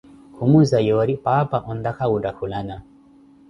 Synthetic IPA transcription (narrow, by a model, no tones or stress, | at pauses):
kʰumuzajɔɾipapaʔɔnd̪akaudakʰulana